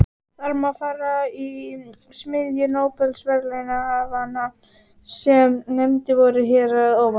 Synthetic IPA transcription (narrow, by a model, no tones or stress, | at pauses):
θaɾmafaːɾai | smɪðjʏnoːwpɛlsvɛɾlɛjnaːvanːa | sjɛmnemt̪ɪvɔɾɪɦɛːɾaðɔːwva